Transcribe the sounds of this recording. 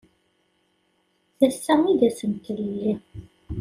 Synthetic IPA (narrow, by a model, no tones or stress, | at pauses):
θæsːæŋiðæsənt̪ələlːi